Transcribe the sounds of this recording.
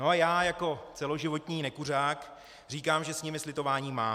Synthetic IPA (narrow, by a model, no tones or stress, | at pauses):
noajaːjako̞t͡sɛlo̞ʒɪvo̞t̪ɲiːnɛkur̝aːk | r̝iːkaːmʒɛsɲɪmɪslɪt̪o̞vaːɲiːmaː